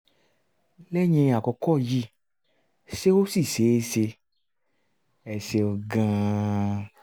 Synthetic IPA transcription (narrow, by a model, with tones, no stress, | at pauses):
lɛ˦ɲɛ̃˧˨a˨kɔ˧kɔ˦˨ji˦˨ | ʃe˦o˦si˦˨se˨˦se˧ | ɛ˨se˧ɔ˨ɡã˧